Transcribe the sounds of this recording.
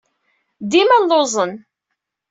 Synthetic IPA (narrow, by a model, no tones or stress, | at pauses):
d̪imælozˤən